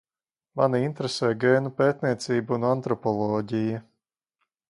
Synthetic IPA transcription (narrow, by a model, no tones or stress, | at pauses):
maniint̪ɾesɛːɡeːnupeːt̪ʲniɛt̪siːbuunant̪ɾɔpɔlˠɔːɟijɐ